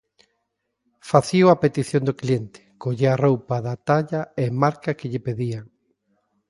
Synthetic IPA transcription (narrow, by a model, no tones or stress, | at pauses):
faθioapet̪iθjõnd̪oklient̪ɪ̥koʎearowpaðat̪aʎaemaɾkakɪʎɪpeðiaŋ